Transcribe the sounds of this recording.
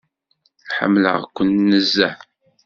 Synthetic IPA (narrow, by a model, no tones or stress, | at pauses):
ħə̰mːlə̰ʁkʷːənːəzːæ